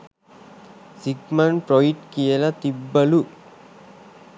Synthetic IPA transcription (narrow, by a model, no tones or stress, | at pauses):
siɡmɐnpɾoiʈkijɐlɐt̪ibːɐlu